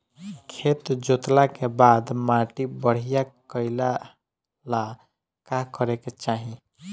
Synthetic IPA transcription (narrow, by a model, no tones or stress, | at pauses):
kʰet̪d͡ʒot̪lakebad̪maʈibəɽ̤ijakəɪla | la | kakəɾeket͡ʃaɦĩ